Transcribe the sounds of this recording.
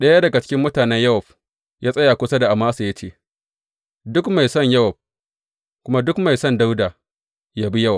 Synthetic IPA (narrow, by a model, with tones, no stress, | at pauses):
ɗɐ˦ja˦dɐ˨ɡa˨t͡ʃɪ̥˦kʲɪ˦mːʊ˦taː˨nɛ˦ɲjɐ˦wɔ˨ɸ | jʔaː˦sʼɐ˦jaː˨kʷʊ˦sa˦da˨ʔa˨maː˦sa˨ja˦t͡ʃeː˦˨ | dʊ˦kma˨jsɐ˦˨ɲjɐ˦wɐ˨b̚ | kʷʊ˦ma˦dʊ˦kma˨jsɔ˦˨nda˦wdaː˨ | jaː˦bi˦jɐ˦wɐ˨p̚